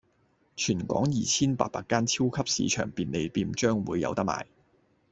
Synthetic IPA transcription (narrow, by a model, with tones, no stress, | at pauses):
t͡ʃʰyː˨˩nkʷɔ̰ː˨˥ŋjiː˨t͡sʰiː˥npa̰ː˧t̚paː˧kːaː˥nt͡sʰi˥wkʰɐ˥p̚sḭː˨˥t͡ʃʰœ̰ː˨˩ŋpiː˧nle˨˧jpiː˧mt͡ʃœː˥ŋwuː˨˧jːɐ̰˨˧wt̪ɐ˥k̚ma̰ː˨˩j